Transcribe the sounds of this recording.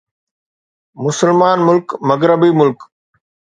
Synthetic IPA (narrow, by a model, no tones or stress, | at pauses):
mʊsəlmaːnmʊlkmɐɡɾəbimʊlk